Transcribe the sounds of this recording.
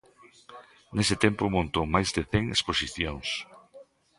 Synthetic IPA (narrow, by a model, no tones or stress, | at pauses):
nesɪt̪empomõnt̪omajzd̪eθeŋesposiθjoŋs